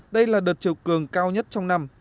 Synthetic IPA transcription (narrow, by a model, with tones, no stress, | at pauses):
ɗə˧jlaː˨˩ɗəː˨˩t̚t͡ɕi˨˩wkɨ˨˩əŋkaː˧wɲə˦˥t̚t͡ɕɔ˧wŋ͡mna˧m